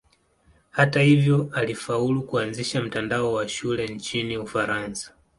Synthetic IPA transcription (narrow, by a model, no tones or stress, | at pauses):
hatahivjɔalifaulukuanziʃam̩tandaɔwaʃulɛnt͡ʃiniufaɾansḁ